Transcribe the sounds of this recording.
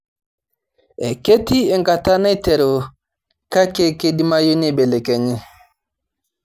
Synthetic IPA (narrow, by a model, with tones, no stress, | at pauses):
ɛ˨ke˦ti˦ɛ˨ŋka˨ta˦na˦jtɛ˨ɾo˨ | ka˦ke˦ke˦di˦ma˦jo˦ni˦˨ɓɛ˨lɛ˨kɛ˨ɲɛ˦